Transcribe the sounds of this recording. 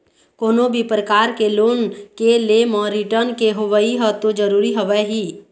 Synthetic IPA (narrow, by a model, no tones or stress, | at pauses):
koːnobʱipɾəkaːɾkeloːnkelemɔːɾiʈəɾnkeɦoʋəiɦɔt̪od͡ʒəɾuːɾiɦoʋɛɦiː